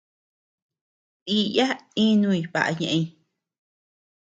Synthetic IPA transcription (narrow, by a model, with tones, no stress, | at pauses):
i˦ja˦ĩ˦nũ˦˧i˧˨βa̰˨ʔa̰˧ɲẽ˨ʔẽ˧ĩ˧